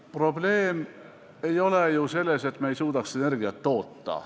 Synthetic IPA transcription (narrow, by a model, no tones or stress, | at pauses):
pro̞ble̞ːm | e̞jo̞lejuse̞lːe̞se̞t̪ːˑmejsuːd̪ɑksene̞rɡijɑt̪ːo̞ːt̪ːɑ̰